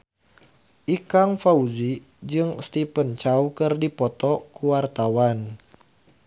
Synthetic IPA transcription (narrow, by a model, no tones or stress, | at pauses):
ʔikaŋfauzi | d͡ʒɨŋst̪ipənt͡ʃawkɨrdipɔt̪ɔkuwart̪awan